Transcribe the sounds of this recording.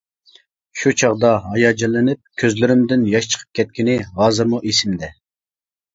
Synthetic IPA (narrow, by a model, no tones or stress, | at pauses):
ʃut͡ʃʰɑʁd̪ɑɦɑjɑd͡ʒɛlɪnɪp̚kʲʰøzlɪɾɪmd̪ɪnjɑʃt͡ʃʰə̥qʰə̥p̚kʲʰɛt̪̚kʲɪnɪɦɑːzɨɾmuʔesɪmd̪ɛ